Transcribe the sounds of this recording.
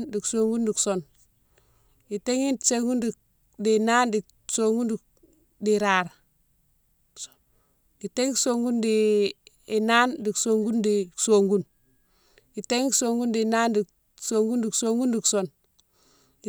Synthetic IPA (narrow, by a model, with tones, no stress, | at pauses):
ndi˨kso˨ŋɡu˦ndi˨kso˨n | i˨te˦ŋi˦˨se˦ŋɡu˦ndi˨ | di˨na˦ndi˨ | so˨ŋɡu˦ndi˨ | di˨ɾaː˨ɾ | i˨te˦ŋkso˦ŋɡu˦ndiː˨ | na˦ndi˨kso˨ŋɡu˦ndi˨so˨ŋɡu˦n | i˨te˦ŋ˦kso˨ŋɡu˦ndi˨na˦ndi˨ | so˨ŋɡu˦ndi˨kso˦ŋɡu˦ndi˨kso˦˨n | i˨